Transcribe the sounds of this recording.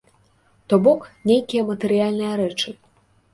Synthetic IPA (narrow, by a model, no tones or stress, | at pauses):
t̪ɔbɔknʲejkʲijɐmɐt̪ɛɾɨjalʲnɨjɐɾɛt͡ʂɨ